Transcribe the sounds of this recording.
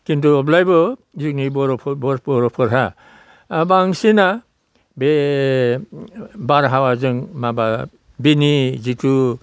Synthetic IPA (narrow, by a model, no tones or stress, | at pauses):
kintuɔblajbɔ | zuknibɔɾɔpʰbɔɾbɔɾɔpʰɔɾɦa | baŋsina | be | baɾɦawazɯŋmaba | binizitu